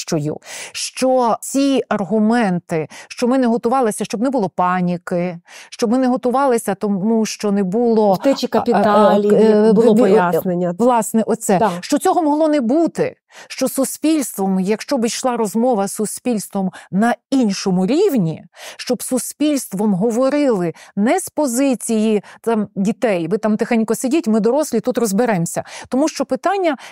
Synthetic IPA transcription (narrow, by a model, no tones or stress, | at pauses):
ʃt͡ʃɔjṵʃt͡ʃɔt͡sʲiɐrɦʊmɛnt̪ɪʃt͡ʃɔmɪnɛɦɔt̪ʊʋɑlˠɪsʲɐʃt͡ʃɔbnɛbʊlˠɔpɑnʲikɪʃt͡ʃɔbmɪnɛɦɔt̪ʊʋɑlˠɪsʲɐt̪ɔmuʃt͡ʃɔnɛbulˠɔɛt͡ʃikɐpʲit̪a | blˠɔɔjanenʲːɐʋlˠɑsnɛʔɔsɛʃt͡ʃɔt͡sʲɔɦɔmɔɦlˠɔnɛbut̪ɪ | ʃt͡ʃɔsuspʲilʲst̪ʋɔmjɐkʃt͡ʃɔbɪjʃlˠɑɾɔzmɔʋɐsːʊspʲilʲst̪ʋɔmnɐinʃɔmʊɾʲiwnʲiʃt͡ʃɔbsuspʲilʲst̪ʋɔmɦɔʋɔɾɪlˠɪnɛspɔzɪt͡sʲijit̪ɑmdʲit̪ɛjʋɪt̪ɑmt̪ɪxanʲkɔsɪdʲitʲmɪd̪ɔɾɔsʲlʲit̪ut̪rɔzbɪɾɛmsʲɐt̪ɔmuʃt͡ʃɔpɪt̪ɑnʲːɐ